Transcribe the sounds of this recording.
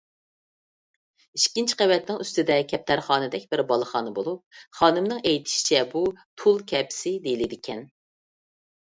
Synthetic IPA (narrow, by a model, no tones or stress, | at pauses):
iʃkʲint͡ʃʰqævɛt̪nɪŋyst̪ɪd̪ɛkʲʰɛp̚t̪ʰæɾχɑːnɨd̪ɛkʲbɪɾbɑlˠəχɑːnɨbolˠup̚χɑːnɨmnɨŋɛjt̪ʰɪ̥ʃi̥t͡ʃʰɛbut̪ʰulˠkʲʰɛpsɪd̪ejilɪd̪ɪkʲʰɛn